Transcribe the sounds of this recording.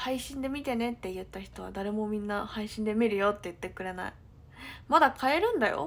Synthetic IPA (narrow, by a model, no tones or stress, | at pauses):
haiɕĩnd̪e̞mʲit̪e̞ne̞t̪ːe̞jɯ̟t̪ːaçi̥t̪o̞β̞a̰d̪aɾe̞mo̞mʲĩnːahaiɕĩnd̪e̞mʲiɾɯ̟jo̞t̪ːe̞jɯt̪ːe̞kɯ̟ɾe̞na̰i | mad̪akʰae̞ɾɯ̟̃nd̪ajo̰